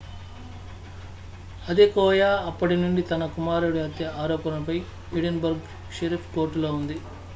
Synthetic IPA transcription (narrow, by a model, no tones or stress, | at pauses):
ɐd̪ekɔːjaːɐpːɐʈinuɳɖit̪ɐnɐkumaːɾuɽiɐt̪jɐaːɾɔːpɐnɐpɐj | iɽenbɐɾɡ | ʃɐɾipʰkoːɾʈːuloːund̪i